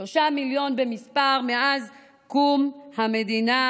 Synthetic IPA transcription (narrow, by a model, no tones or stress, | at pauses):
oʃamiljo̞nbemispaʁmeʔaz | kumhamed̪ina